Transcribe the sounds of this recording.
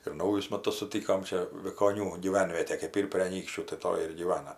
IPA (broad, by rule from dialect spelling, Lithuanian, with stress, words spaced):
ɪr ˈnɐʊjʊs ˈmɑːtʊs sʊˈtʲiːkoːm ˈt͡ʃʲɛ ʋʲɪkoːˈnʲuː ɡʲiːˈʋʲɛnʲʋʲiɛtʲeː kɜp ˈiːr pʲrʲeː ɐˈnʲiːkʃʲt͡ʃʲuː tɐɪ ˈtoːj ɪr ɡʲiːˈʋɑːnɐ